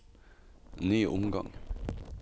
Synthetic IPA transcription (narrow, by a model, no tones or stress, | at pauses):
nyːʔʊmɡɑ̰ŋ